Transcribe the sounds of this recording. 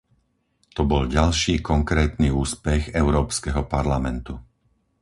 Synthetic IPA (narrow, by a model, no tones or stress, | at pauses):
t̪ɔbɔlɟalʃiːkɔŋkɾɛːt̪niuːspɛɣɛʊɾɔːpskɛɦɔpaɾlamɛnt̪u